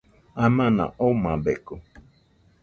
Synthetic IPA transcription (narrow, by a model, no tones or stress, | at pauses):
amãnã̰ʔomãbeko